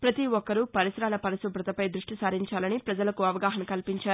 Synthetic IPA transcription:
pɾɐt̪iʋɔkːɐɾupɐɾisɾaːlɐpɐɾɐsɐbɾɐt̪ɐpɐjd̪ɾuʂʈisaːɾiɲt͡ʃaːlɐnipɾɐd͡ʒɐlɐkuɐʋɐɡaːɦɐnɐkɐlpiɲt͡ʃaːɾu

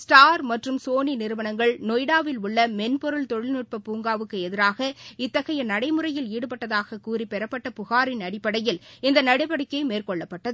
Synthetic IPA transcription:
sʈaːɾmɐʈrɯmsoːninɪɾɯʋɐnɐŋɡɐɭnɔjɽaːʋɪlʊɭːɐmɛnpɔɾɯɭt̪ɔɻɪlnʊʈ̚pɐpuːŋɡaːʋɯkːɯɛðɪɾaːɣɐɪt̪ːɐɣɐjɐnɐɽɐɪmɯrɐjɪliːɽɯpɐʈːɐðaːɣɐkuːripɛɾɐpːɐʈːɐpʊɣaːɾɪnɐɽɪpːɐɽɐjɪlɪnd̪ɐnɐɽɪpɐɽɪkːɐɪmeːrkɔɭːɐpːɐʈːɐðɯ

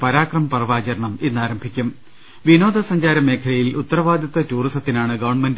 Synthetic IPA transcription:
pɐɾaːkrɐmɐpɐrɐʋaːt͡ɕɐɾɐɳɐmenːaːɾɐmbʱikʲːum | ʋino̞ːd̪ʱɐsɐɲd͡ʑaːɾɐme̞ːkʰɐlɐjilut̪ːɐrɐʋaːd̪jɐt̪ːɐtuːrisɐt̪ːinaːɳɨɡɐʋɐɳmend

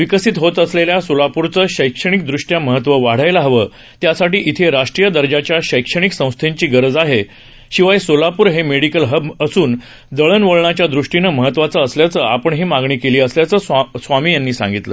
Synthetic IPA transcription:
ʋikəsit̪ɦot̪əsleljasolapuɾt͡səːɕəjkʂəɽ̃ik̚d̪ɾuʂʈjaməɦət̪ʋəʋaɽ̤ajlaɦəʋəː | t̪jasaʈiːʔit̪ʰeɾaʂʈɾijəd̪əɾd͡ʑat͡ɕjaɕəjkʂəɽ̃iksə̃w̃st̪ʰeɲt͡ɕiːɡəɾəd͡zaɦe | ɕiʋajsolapuːɾɦemeɽikəlɦəbəsuːn | d̪əɭənʋoɭɳat͡ɕjad̪ɾuʂʈinəməɦət̪ːʋat͡səːsljat͡səapəɳɦiːmaɡɳiːkeliːəsljat͡səːsʋamiːjanːiːsã̰ŋɡit̪lə̰

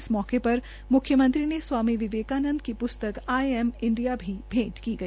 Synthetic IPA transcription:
smɔːkepɐɾ | mʊkʰjəmɐ̃nt̪ɾineswaːmiʋɪʋeːkaːnə̃nd̪kipʊst̪əkaːɛmɪ̃ɳɖijabʱibʱẽːʈkiɡɐiː

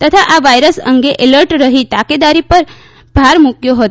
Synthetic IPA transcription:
t̪ət̪ʰaʔaʋajɾəsə̰ŋɡeʔeləɾʈɾəɦit̪aked̪aɾipəɾ | b̥ʱaɾmukjoɦət̪

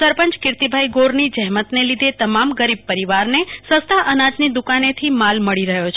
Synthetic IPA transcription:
əɾpəɲt͡ʃkɪɾt̪ibʱaiɡoɾnid͡ʒəɦmət̪nelid̪ʱet̪əmamɡəɾib̚pəɾiʋaɾnesə̃st̪ʰaʔənad͡ʒnid̪ukanet̪ʰimalməɭiɾəɦjot͡ʃʰ

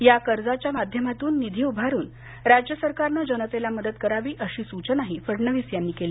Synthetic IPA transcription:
jakəɾd͡zat͡ɕjamad̪ʱjəmat̪uːnːid̪ʱiːubʱaɾuːn | ɾad͡ʑjəsəɾkaɾnad͡ʑənət̪elaməd̪ət̪kəɾaʋiːʔəɕiːsut͡ɕənaɦifəɽɳəʋiːsjanːiːkeliː

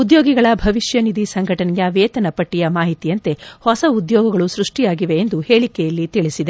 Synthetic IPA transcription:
ud̪joːɡiɡɐɭɐbʱɐʋiʃjɐnid̪isɐŋɡʱɐʈɐnɛjɐʋeːt̪ɐnɐpɐʈːijɐmaːɦit̪ijɐnt̪e̞hɔsɐud̪jɔːɡɐɡɐɭusɾuʂʈijaːɡiʋe̞ːnd̪uheːɭikɛjɐlːit̪iɭisid̪e

